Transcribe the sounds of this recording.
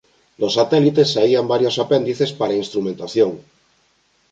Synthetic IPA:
losat̪ɛlit̪esːaiambaɾjosapɛnd̪iθespaɾainst̪ɾumẽnt̪aθjoŋ

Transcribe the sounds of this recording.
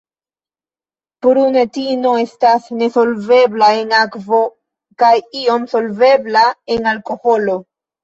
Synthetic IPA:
pɾune̞tino̞e̞stasne̞so̞lve̞blae̞nakvo̞ | kajio̞mso̞lve̞blae̞nalko̞ho̞lo̞

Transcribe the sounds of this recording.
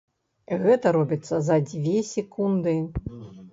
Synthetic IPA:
ɣɛt̪ɐɾɔbʲit̪sːɐzɐd͡zʲvʲesʲɛkund̪ɨ

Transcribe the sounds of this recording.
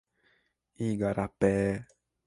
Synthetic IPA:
ĩɡaɾʔapɛː

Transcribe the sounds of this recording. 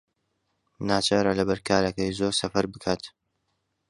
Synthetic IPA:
naːt͡ʃaɾɐlɐbɐɾkʰaːɾɐkɐjzoɾsɐfɐɾbɨkʰaːt̪

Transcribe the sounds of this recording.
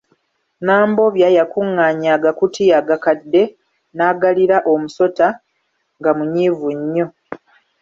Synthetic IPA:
naːmbo̞βjaːjakuŋːaːɲaːɡakutiaɡakadːe̞ | naːɡaliɾaʔo̞muso̞ta | ŋɡamuɲiːvuɲːo̞

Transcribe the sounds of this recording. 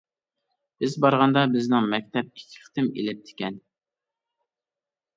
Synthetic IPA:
b̥ɪzbɑɾʁɑnd̪ɑbɪznɪŋmɛk̚ʲt̪ʰɛp̚i̥kʲʰːɪ̥χt̪ʰɪmḛlɪp̚t̪ʰɪ̥kʲʰɛn

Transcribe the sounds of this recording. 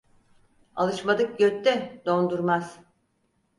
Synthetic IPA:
a̰lˠɯʃmad̪ɯk̚ɟøt̪ːɛd̪o̞nd̪uɾmaz̥

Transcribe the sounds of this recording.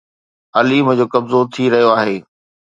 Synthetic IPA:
ɐlimə̃d͡ʑoːkɐbzot̪ʰiɾɐɦijoaːɦeː

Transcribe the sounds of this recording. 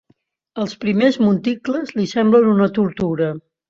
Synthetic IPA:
əlˠspɾimezmunt̪ikləzlisɛmblənunət̪uɾt̪uɾə

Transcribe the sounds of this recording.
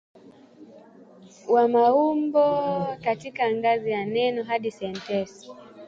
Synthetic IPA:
wamaumbɔkatikaŋɡazijanɛnɔɦaɗisɛntɛs

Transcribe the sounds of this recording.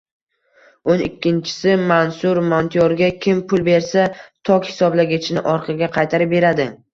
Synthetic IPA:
ʊnɪɪkʲːɪnt͡ʃʰɪ̥sɪmansʊɾmont̪ʰɪjoɾɡʲakʲʰɪmpʰʊlˠbe̞ɾsat̪ʰɒkʲhɪ̥sɒblaɡʲat͡ʃʰɪnɪʔɒɾqʰɨɡʲaqʰɑjt̪ʰaɾɪp̚be̞ɾad̪ɪ

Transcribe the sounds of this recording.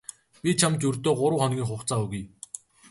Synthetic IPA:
pʲit͡ɕʰamt͡ɕɵrt̪oːɢʊɾə̆wχɔnɡʲiːŋχʊχt͡saːuɣuj

